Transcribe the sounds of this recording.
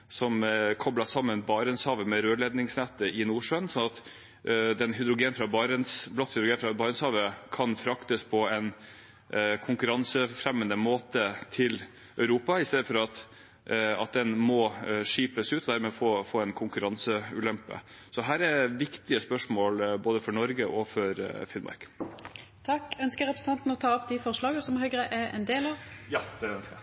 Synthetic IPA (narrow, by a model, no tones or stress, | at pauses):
sɔmkʰɔblɑsɑmːənbɑːɾənshɑːʋəmɛɾøːlɛd̪nɪŋsnɛt̪ːəɪnuːʂœnsɔnɑt̪ | d̪ɛnɦʏd̪ɾʊɡeːn̩fɾɑbɑɾənsblɔt̪ːhʏd̪ɾʊɡeːnfɾɑbɑːɾənshɑːʋəkʰɑnfɾɑkt̪əspʰɔɛn | kʰʊŋkʉɾɑnsəfɾɛmːənəmoːt̪ət̪ʰɪl | œʉɾuːpɑɪst̪eːd̪əfɔɾɑt̪ | ɑt̪̚d̪ɛnmɔʂiːpəsʉːt̪ʰɔd̪æːɾmɛfoːfoːɛnkʰʊŋkʉɾɑnsəʉːlɛmpə̰sɔɦæːɾɛɾʋɪkt̪ɪəspœʂmoːlboːd̪əfɔɾɳɔɾɡəʔɔfɔɾfɪnmɑ̰ɾk | t̪ʰɑkœnskəɾɛpɾən̩t̪ɑnt̪n̩ɔt̪ʰɑːɔpd̪ɪfɔʁʂlɑːɡəsɔmhœʏɡɾəʔɛɛ̰nd̪eːlɑʋjɑd̪ɛœnsk